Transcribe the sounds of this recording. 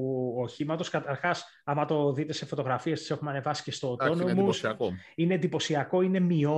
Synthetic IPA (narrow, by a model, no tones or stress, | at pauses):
oçimɐt̪o̞skɐt̪ɐɾxɐs | ɐmɐt̪o̞ðit̪e̞se̞fo̞t̪o̞ɣɾɐfiest̪i̥se̞xumeɐne̞vɐsi̥ce̞st̪oːt̪o̞nomusɐineːnd̪ipo̞siɐko̞ine̞mio